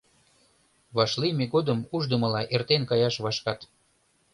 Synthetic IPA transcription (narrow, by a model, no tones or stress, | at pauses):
βɑʃlimeɡod̪əmuʒd̪əmə̆lɑʔert̪enkɑjɑʃβɑʃkɑt̪